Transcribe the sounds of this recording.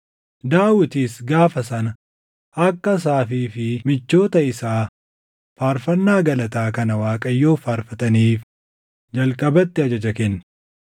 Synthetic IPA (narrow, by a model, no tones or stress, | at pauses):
d̪aːwɪt̪iːsɡaːfɐsɐnɐ | ʔɐkːɐs̬aːfiːfɪmɪt͡ʃːo̞ːt̪ɐɪsaː | faːɾfɐnːaːɡɐlɐt̪aːkɐnɐwaːkʼɐjːoːfaːɾfɐt̪ɐniːf | d͡ʒɐlkʼɐbɐt̪ːɪɐd͡ʒɐd͡ʒɐkɛnːɐ